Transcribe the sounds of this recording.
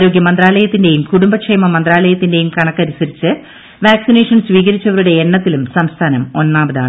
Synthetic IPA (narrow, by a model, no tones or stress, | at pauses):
ɾo̞ːɡjɐmɐnd̪raːlɐjɐt̪ːinde̞jumkuɽumbɐkʂejmɐmɐnd̪raːlɐjɐt̪ːinde̞jumkɐɳɐkːɐɾisɐɾit͡ɕːɨ | ʋaːksine̞ːʂɐnsʋiːɣɐɾit͡ɕːɐʋɐɾuɽe̞ːɳːɐt̪ːilumsɐmst̪ʰaːnɐmo̞nːaːbɐðaːɳ